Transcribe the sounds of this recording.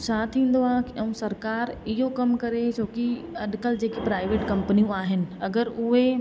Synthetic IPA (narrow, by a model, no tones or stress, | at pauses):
t͡ʃʰaːt̪ʰĩːn̆d̪oaːɦkiʔɐ̃ũsɐɾkaːɾɪɦokɐmkɐɾet͡ɕoːki | ɐɗkəld͡ʑeːkipɾaːɪʋeːʈkɐ̃mpənijõaːɦɪnɪ̆ɐɡəɾʊɦe